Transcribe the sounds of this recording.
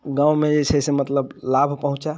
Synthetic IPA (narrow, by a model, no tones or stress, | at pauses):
ɡãwmẽd͡ʒet͡ʃʰəsemət̪ləblabʱpəɦũt͡ʃa